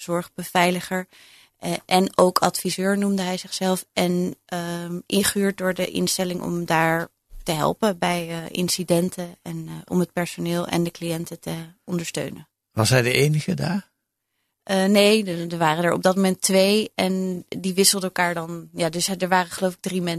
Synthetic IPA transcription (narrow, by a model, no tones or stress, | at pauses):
z̥ɔɹχbəvɛjləχəɹ | ʔɛnowkʰɑtfizøːɹnumdəɦɛjzɪχsɛlˠfɛn | ʔɪχyːɹt̚dʊːɹdəʔɪ̰nstɛlɪŋʔɔ̰mdaːɹ | təɦɛ̰lˠpəbɛjʔɪ̰nsidɛntʰəɛnɔ̰mət̚pɛɹsonɪːlˠɛ̰ndəklijɛntətəɔndəɹstø̰ɥnə | ʋɑsɦɛjdəʔejnəχədaːɹ | ʔnejdəʋaːrənəɹʔɔ̰bdɑt̚momɛntʋejɛndiʋɪsəlˠdəlˠkaːɹdɑnjaːdɵsdəɹʋaːrəχəlowfɪɡ̚drimɛn